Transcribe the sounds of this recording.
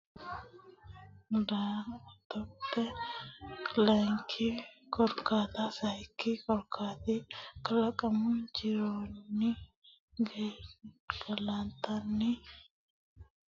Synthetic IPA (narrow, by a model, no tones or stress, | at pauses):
dat̪ɔtːɛ | lɐŋkʰikɔɾkaːt̪asɐjkːikɔɾkʰaːt̪ikɐlɐkʼɐmʊd͡ʒɪɾoːnːɪ | ɡe | ɡ̥ɐlant̪ɐnːi